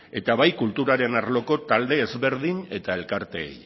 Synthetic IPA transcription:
e̞t̪aβajkult̪uɾaɾe̞naɾlo̞ko̞t̪ald̪e̞ːzβe̞ɾðine̞t̪ae̞lkaɾt̪e̞̰ːj

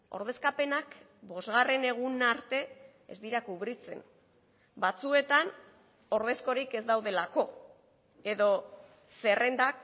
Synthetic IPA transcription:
o̞̰ɾðe̞skape̞nak | bo̞zɣare̞ne̞ɣ̞unaɾt̪e̞ | ezd̪iɾakuβɾit͡se̞̰n | bat͡sue̞t̪an | o̞ɾð̞e̞sko̞ɾike̞zd̪awðe̞lako̞ | e̞ðo̞ | se̞re̞nd̪ak̚

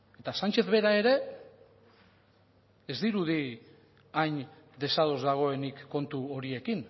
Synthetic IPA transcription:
e̞t̪asant͡ʃe̞θβe̞ɾae̞ɾe̞ | e̞zd̪iɾuði | ajɲ | d̪e̞sað̞o̞zðaɣ̞o̞e̞nikːo̞nt̪uo̞ɾie̞kin

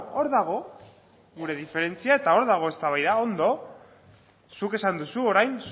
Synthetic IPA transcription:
o̞ɾðaɣ̞o̞ | ɣuɾe̞ðife̞ɾe̞nt͡siae̞t̪ao̞ɾðaɣ̞o̞e̞st̪aβajðao̞nd̪o̞ | suke̞sand̪usuo̞ɾajns

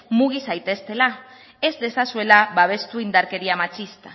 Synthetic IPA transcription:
muɣ̞isajt̪e̞st̪e̞la | e̞zd̪e̞sasue̞laβaβ̞e̞st̪uind̪aɾke̞ɾiamat͡ʃist̪a

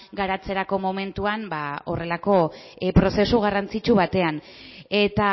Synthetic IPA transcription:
ɡaɾat͡se̞ɾako̞mo̞me̞nt̪uambao̞̰re̞lako̞ | pɾo̞se̞suɣ̞arant͡sit͡ʃuβat̪e̞an | e̞t̪a

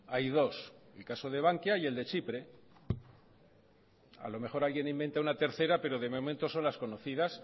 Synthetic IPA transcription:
ajðo̞selkaso̞ð̞e̞β̞aŋkjaie̞ld̪e̞t͡ʃipɾe̞ | a̰lo̞me̞χo̞ɾalɣjenimbe̞nt̪aunat̪e̞ɾθe̞ɾape̞ɾo̞ðe̞mo̞ment̪o̞so̞nlasko̞no̞θiðas

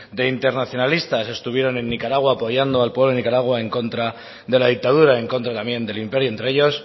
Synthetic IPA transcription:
d̪e̞int̪e̞ɾnaθjo̞nalist̪ase̞st̪uβje̞ɾo̞nẽ̞nːikaɾaɣwaːpo̞ʝand̪oalpwe̞βlo̞enikaɾaɣ̞wae̞ŋko̞nt̪ɾa | ðe̞laðik̚t̪að̞uɾae̞ŋko̞nt̪ɾat̪amje̞nd̪e̞limpe̞ɾjoent̪ɾeeʝo̞s

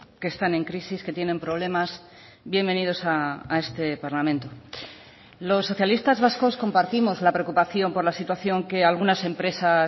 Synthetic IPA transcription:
ke̞ːst̪aneŋkɾisiske̞t̪je̞nẽ̞mpɾo̞β̞le̞mas | bje̞mbe̞nið̞o̞saːe̞st̪e̞paɾlamẽ̞nt̪o | lo̞sːo̞θjalist̪azβasko̞sko̞mpaɾt̪imo̞zlapɾe̞okupaθjo̞mpo̞ɾlasit̪waθjo̞ŋke̞alɣ̞unase̞mpɾe̞sa

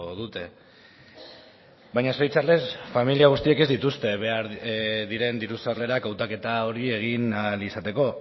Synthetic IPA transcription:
ðut̪e̞ | bajɲaso̞jt͡sarle̞sfamiliaɣ̞ust̪ie̞ke̞zd̪it̪ust̪e̞βe̞aɾðiɾe̞nd̪iɾusarle̞ɾakawt̪ake̞t̪ao̞ɾie̞ɣ̞inalisat̪e̞ko̞

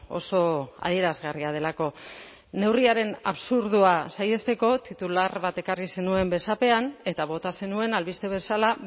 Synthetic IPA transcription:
o̞̰so̞a̰ð̞ie̞ɾazɣariað̞e̞lako̞ | ne̞wriaɾe̞naβsuɾðuasaje̞st̪e̞ko̞t̪it̪ularβat̪e̞karisenue̞mbe̞sape̞ane̞t̪aβ̞o̞t̪ase̞nue̞nalβist̪e̞β̞e̞sala

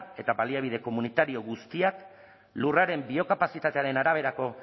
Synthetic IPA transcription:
e̞t̪aβaliaβ̞ið̞e̞ko̞munit̪aɾio̞ɣust̪iak | luraɾe̞mbio̞kapasit̪at̪e̞aɾe̞naɾaβ̞e̞ɾako̞

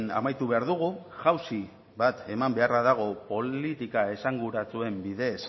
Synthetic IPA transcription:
na̰majt̪uβe̞aɾðuɣ̞u | ʝawsi | βat̪e̞mambe̞araðaɣ̞o̞po̞lit̪ikae̞saŋɡuɾat͡sue̞mbiðe̞s

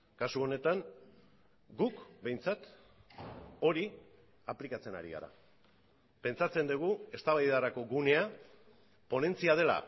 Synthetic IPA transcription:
kasuo̞ne̞t̪aŋ | ɡukbe̞jnt͡sat̪ | o̞ɾi | aplikat͡se̞na̰ɾḭɣa̰ɾa̰ | pe̞nt͡sat͡se̞nd̪uɣ̞ue̞st̪aβajðaɾako̞ɣune̞a | po̞ne̞nt͡siað̞e̞la̰

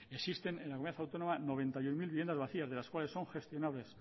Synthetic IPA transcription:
esist̪enenlakomaθawt̪o̞no̞mano̞βẽ̞nt̪ajunmilβiβjend̪azβaθiazðe̞laskwale̞sːo̞ŋxe̞st̪jo̞naβle̞s

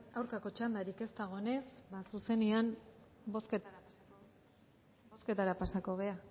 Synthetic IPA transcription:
awɾkako̞t͡ʃand̪aɾike̞st̪aɣ̞o̞ne̞sbasuse̞niam | bo̞sket | ske̞t̪aɾapasako̞β̞e̞a

